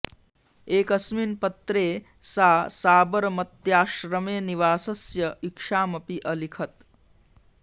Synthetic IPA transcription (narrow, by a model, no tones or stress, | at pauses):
eːkɐsminpɐt̪ɾeː | saːsaːbɐɾɐmɐt̪jaːʃɾɐmeːniʋaːsɐsjɐikʂaːmɐpiʔɐlikʰɐt̪